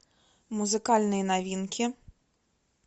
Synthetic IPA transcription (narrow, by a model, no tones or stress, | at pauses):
muzɨkalʲnɨjnavʲinkʲʰi